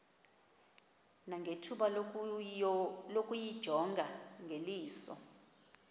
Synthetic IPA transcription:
naŋʱetʰuɓa | lokʼujid̥ʒ̥ʱɔŋɡʱaŋʱeliːsɔ̰

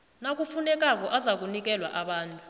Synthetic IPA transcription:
nak̬ufunɛk̬ak̬ɔʔazak̬unik̬ɛlwa̰ʔaɓaːntʼu

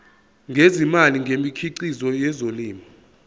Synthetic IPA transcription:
ŋɡʱezimaliŋɡʱemikʰiǀizɔjɛzoliːmi

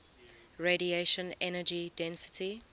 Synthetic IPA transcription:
ɹeɾieʃə̃nɛnəd͡ʒidɛ̃nsɪ̥tʰi

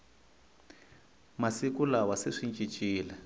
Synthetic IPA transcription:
masikulawaseʂint͡ʃʼit͡ʃʼiːlɛ

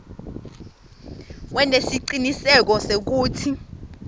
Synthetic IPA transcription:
wɛnesiǃinisɛk̬ɔsek̬uːtʰi

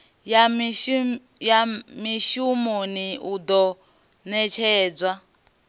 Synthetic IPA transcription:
ja | jamiʃumuniud̪ɔ | nɛt͡ʃʰɛːd͡zʷwa

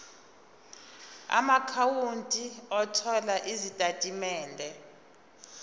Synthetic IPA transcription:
a̰makʰawuntʼiɔtʰɔlaʔizitʼatʼimɛːndʱɛ

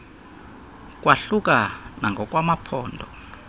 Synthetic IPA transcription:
k̬ʼwaɬuk̬ʼanaŋɡʱɔk̬ʼwamapʰɔːndʱɔ

